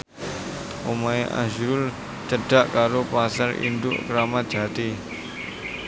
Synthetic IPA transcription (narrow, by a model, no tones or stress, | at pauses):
ʔomaeʔa̰ʒɾʊl | t͡ʃəɖ̥a̤ʔkaɾopasaɾḭnd̪ʊ̰ʔkəɾamat̪̚ʒ̥at̪i